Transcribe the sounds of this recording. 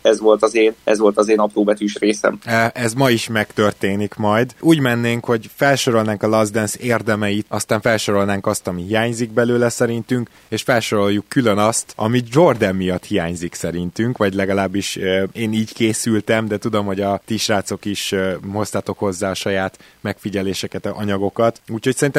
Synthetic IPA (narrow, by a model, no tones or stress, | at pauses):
ɛzʋo̞lt̪ɒzeːnɛ̰zʋo̞lt̪ɒzeːnɒpɾoːbɛt̪yːʃreːsɛ̰mʔɛzmɒiʃmɛkt̪ø̞rt̪eːnikmɒjd̪uːɟmɛnːeːŋkho̞ɟfɛlʃo̞ɾo̞lnaːŋkɒlɒzd̪ɛnseːrd̪ɛmɛjit̪ɒst̪aːɱfɛlʃo̞ɾo̞lnaːŋkɒst̪ɒmiɦijaːɲziɡ̚bɛløːlɛsɛɾint̪yŋk | eːʃfɛlʃo̞ɾo̞jukːylø̞nɒst̪ɒmid͡ʒo̞rd̪ɛmːijɒt̪hijaːɲziksɛɾint̪yŋkʋɒɟlɛɡɒlaːbːiʃeːniːɟkeːsylt̪ɛmd̪ɛt̪ud̪o̞mho̞ɟɒt̪iʃraːt̪so̞kiʃho̞st̪aːt̪o̞kho̞zːaːɒʃɒjaːt̪ | mɛkfiɟɛleːʃɛkɛt̪ɒɲɒɡo̞kɒt̪uːcho̞csɛɾint̪ɛ